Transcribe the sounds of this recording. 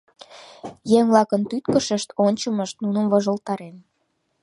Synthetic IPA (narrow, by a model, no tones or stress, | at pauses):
jeŋvlɑkənt̪yt̪kəʃəʃt̪onʲt͡ɕəməʃt̪nunə̆mvoʒə̆lt̪ɑɾem